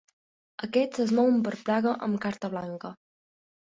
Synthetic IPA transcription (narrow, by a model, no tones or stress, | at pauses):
əkɛd͡zəznmɔwəmpəɾpɾaɣəʔə̰mkaɾt̪əβlaŋkə